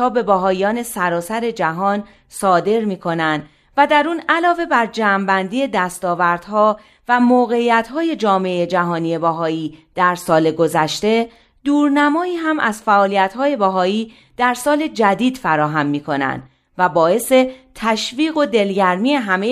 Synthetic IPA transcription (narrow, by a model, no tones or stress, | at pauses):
ɒːbe̞bæɦɒːjjɒːne̞sæɾɒːsæɾe̞d͡ʒæɦɒːn | sɒːd̪e̞ɾmiːkʰo̞nænd̪ | væd̪æɾuːnælɒːve̞bæɾd͡ʒæːmbænd̪iːe̞d̪æst̪ɒːvæɾd̪̥hɒː | væmoːɣe̞iːjæt̪ʰhɒːje̞d͡ʒɒːmeejed͡ʒæɦɒːniːje̞bæɦɒːiːd̪̥æɾsɒːle̞ɡo̞zæʃt̪e̞ | d̪̥uːɾnæmɒːiːɦæmʔæz̥fæʔɒːlijæt̪hɒːje̞bæɦɒːiː | d̪̥æɾsɒːle̞d͡ʒæd̪iːd̪̥fæɾɒːɦæmːiːkʰo̞næ̰nd̪ | væbɒːe̞se̞t̪ʰæʃviːɣo̞d̪e̞lɟæɾmiːe̞ɦæme